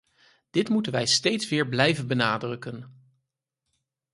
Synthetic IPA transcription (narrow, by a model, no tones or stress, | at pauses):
d̥ɪtmutənʋɛjstejtsʋɪːɹblɛjvənbənaːdrɵkən